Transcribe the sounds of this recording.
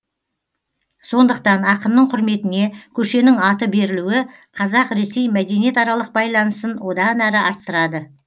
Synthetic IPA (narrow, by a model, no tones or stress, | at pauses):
so̞nd̪əq̚t̪ɑnɑqəmnəɴqʰʊɾme̞t̪ɪne̞kʲʰɵʃe̞nɪŋɑt̪əbe̞ɾɪluɪqʰɑzɑqɾe̞se̞jmæd̪e̞nije̞t̪ɑɾɑlˠəq̚bɑjlˠɑnəsənwo̞d̪ɑnæɾɪɑɾt̪ːəɾɑd̪ə